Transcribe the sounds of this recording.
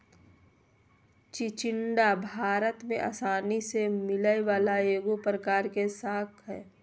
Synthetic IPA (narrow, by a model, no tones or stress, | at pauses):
t͡ʃɪt͡ʃɪɳɖabʱaːɾət̪mẽʔa̰ːsaːnisemɪləeʋaːlaeːɡopɾəkaːɾkesaːkʰɦɛ̰ː